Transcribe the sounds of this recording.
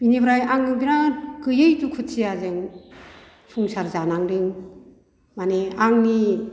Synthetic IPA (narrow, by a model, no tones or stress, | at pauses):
b̥inibɾajaŋɯŋbinakɯjɯjtukʰutsijazeŋ | pʰuŋsaɾzanaŋɾɯŋ | maneaŋni